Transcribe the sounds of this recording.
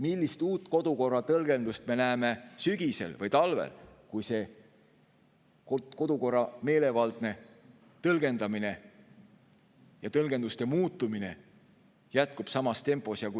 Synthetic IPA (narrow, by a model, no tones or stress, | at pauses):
milʲːist̪uːt̪ːˑko̞d̪̥uko̞rːɑt̪ɤlɡe̞nd̪̥ust̪me̞næːme̞syɡ̥ise̞̰lvɤjt̪ɑlvḛlkujse̞ | koko̞d̪̥uko̞rːɑme̞ːle̞vɑld̪̥̚ne̞ | t̪ɤlɡ̥e̞nd̪̥ɑmine̞ | jɑt̪ɤlɡ̥end̪ust̪e̞muːt̪ːˑumine̞ | jæt̪̚kub̥sɑmɑst̪e̞mpːˑo̞sjɑku